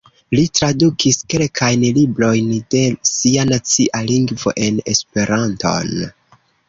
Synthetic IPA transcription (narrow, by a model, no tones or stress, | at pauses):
litɾadukʰiske̞lkʰajnlibɾo̞jnde̞sianat͡siʔaliŋɡvo̞̰ʔe̞ne̞spe̞ɾanto̞̰n